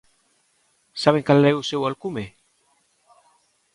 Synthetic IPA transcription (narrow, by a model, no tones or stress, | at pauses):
saβeŋkalːeusewalkume